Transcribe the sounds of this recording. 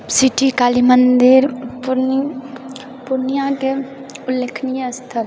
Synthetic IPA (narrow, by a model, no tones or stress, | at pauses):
siʈikaːlimənd̪ɪɾpʊɾni | pʊɾnijãke | ʊlːekʰnijəst̪ʰəɾ